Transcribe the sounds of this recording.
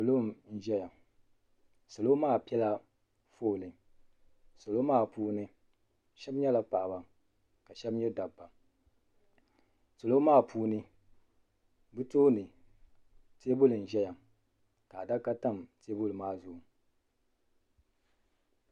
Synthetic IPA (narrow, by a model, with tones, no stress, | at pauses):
so˨lo˦n̩˦ʒɛ˦ja˨ | so˨lo˦maː˦˨pi˦ɛ˦la˦ | foː˦˨lɨ˨ | so˨lo˦maː˦˨puː˦nɨ˦ | ʃɛ˦bɲɛ˦la˨pa˨ʔba˨ | ka˨ʃɛ˦bɲɛ˦da˨bːa˨ | slo˦maː˦˨pʰuː˦nɨ˦ | bɨ˦toː˦nɨ˨ | te˦bʊ˦lɨ˨n̩˨ʒɛ˦ja˨ | ka˨da˦ka˦ta˦˨mte˦bʊ˦lɨ˨maː˦˨zʊ˨